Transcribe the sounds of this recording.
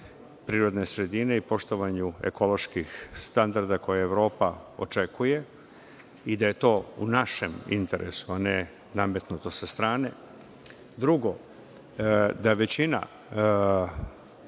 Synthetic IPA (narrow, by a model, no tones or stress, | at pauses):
pɾiːɾo̞d̪ne̞sɾe̞d̪ine̞ipo̞ʃt̪o̞ʋaɲuḛko̞loʃkixst̪and̪aɾd̪ako̞jaeʋvɾo̞ːpao̞̰t͡ʃe̞kuje̞ | id̪aje̞t̪o̞ːunaʃe̞mḭnt̪e̞ɾʔḛsuane | name̞t̪nut̪o̞sast̪ɾaːne̞ | d̪ɾuɡo̞ | d̪aʋe̞t͡ɕina̰